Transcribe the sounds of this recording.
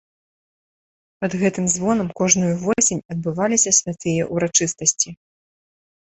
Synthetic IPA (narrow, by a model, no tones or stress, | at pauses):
pɐd̪ɣɛt̪ɨmzvɔnɐmkɔʐnujuvɔsʲenʲɐd̪̚bɨvalʲisʲɐsʲvʲat̪ɨjɐʔuɾat͡ʂɨst̪ɐsʲt͡sʲi